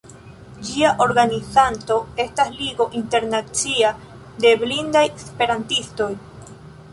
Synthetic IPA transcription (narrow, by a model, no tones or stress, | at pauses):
d͡ʒiaʔo̞ɾɡanizanto̞e̞stasliɡo̞ʔinte̞ɾnat͡sia | de̞blindajespe̞ɾantisto̞j